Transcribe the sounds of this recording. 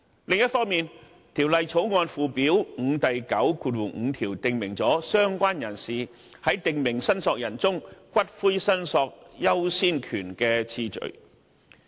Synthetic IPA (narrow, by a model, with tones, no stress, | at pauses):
lɪ˨ŋjɐ˥t̚fɔː˥ŋmiː˨˧n | t̪ʰiː˨˩wlɐ˨jt͡sʰo˨˥wŋɔː˧nfuː˧piː˨˥wŋ̩˨˧t̪ɐ˨jkɐ˨˥wkuː˧t̚wu˨˩ŋ̩˨˧t̪ʰiː˨˩wt̪ɪ˨ŋmɪ˨˩ŋt͡sɔː˨˥sœː˥ŋkʷaː˥njɐ˨˩nsiː˨ | hɐ˨˥jt̪ɪ˨ŋmɪ˨˩ŋsɐ˥nsɔː˧k̚jɐ˨˩nt͡sʊ˥ŋkʷɐ˥t̚fuː˥sɐ˥nsɔː˧k̚jɐ˥wsiː˥nkʰyː˨˩nkɛː˧t͡sʰiː˧t͡ʃɵ̰˨˩ɥ